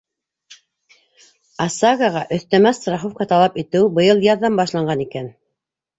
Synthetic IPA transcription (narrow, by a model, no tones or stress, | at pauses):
ɑsɑɡaʁɑʔɵ̆θt̪æmæst̪ɾɑχofkɑt̪ɑlˠɑpit̪ɘwbɤ̆jɤlˠjɑðːɑmbɑʃ̬lˠɑɴɢɑnikæn